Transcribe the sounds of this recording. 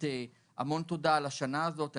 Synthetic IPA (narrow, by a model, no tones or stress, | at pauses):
e | amo̞nt̪o̞d̪alaʃanaːzo̞t̪a